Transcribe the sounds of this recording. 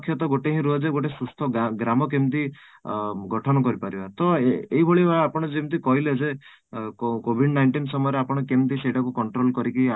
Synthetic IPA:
kʰjɔt̪ɔɡoʈeɦĩɾud͡ʒeɡoʈesust̪ʰɔɡɾamɔk̬emt̪i | ɡɔʈʰɔnɔkɔɾipaɾibat̪ɔeɦibʱoɭibʱaapɔɽ̃ɔd͡ʒemt̪̬ikɔɦiled͡ʒe | kobʱiɽnajɳʈinsɔmɔjɔɾeapɔɽ̃ɔkemt̪̬isejʈʰakukɔɳʈɾolkɔɾikia

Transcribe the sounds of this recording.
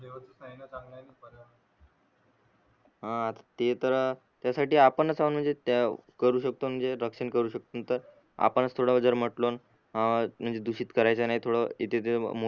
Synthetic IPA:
deʋət͡səsnainat͡saŋɡnajnipəɾa | ɦãat̪ḁt̪et̪əɾə | t̪jasaʈiːapəɳət͡saʋuənm̤əɳd͡zet̪akəɾuːɕək̚t̪om̤əɳd͡zeɾəkʂənkəɾuːɕək̚t̪ont̪əɾ | a̰pəɳət͡st̪ʰoɽaʋəd͡zəɾm̤əʈlon | ɦãm̤əɳd͡zed̪uɕiːt̪kəɾajt͡sanaɦit̪ʰoɽəit̪et̪emo

